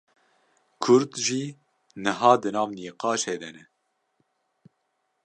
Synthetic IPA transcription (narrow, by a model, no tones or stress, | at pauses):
kʰʊɾd̪ʒiː | nɨɦɑːd̪ɨnɑːvniːqɑːʃhɛd̪ɛnɛ